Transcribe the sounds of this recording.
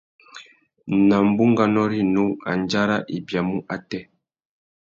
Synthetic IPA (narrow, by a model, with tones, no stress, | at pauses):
na˨m˨bu˦ŋɡa˦nɔ˦ɾi˦nu˦a̰˨nd͡ʒa˦ɾa˦ʔi˨bja˨mu˦ʔa˨tɛ˦